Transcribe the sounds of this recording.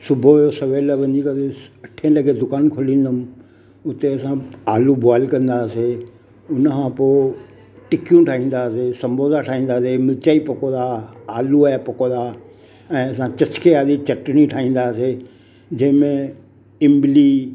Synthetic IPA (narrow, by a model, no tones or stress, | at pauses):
sʊbʱojosɐʋeːlʋɐɲikɐɾeɐʈʰẽlɐɡʱed̪ʊkaːnkʰʊlĩːnd̪ʊm | ʊt̪eɐsãaːlubaːɪlkɐ̃nd̪aːse | ʊnəkʰãpoː | ʈɪkjũʈʰaːɦĩːn̆d̪aːsesɐ̃mboːd̪aʈʰaːɦĩːnd̪aːsemɪt͡ɕaːipɐkõːaːaːluaːjapɐkõd̪aː | ɛ̃ːɐs̬ãt͡ɕɐt͡ɕkʰeaːd̪it͡ɕɐʈñĩʈʰaːɦĩːn̆d̪aːse | d͡ʑɐ̃ɦɪ̃mẽ | ɪ̃mbɪli